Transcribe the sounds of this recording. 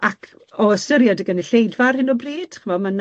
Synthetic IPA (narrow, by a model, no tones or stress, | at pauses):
akʰ | ɔəstəɾjadəɡəniɬejdvarhɪnɔbriːd̥χəmɔman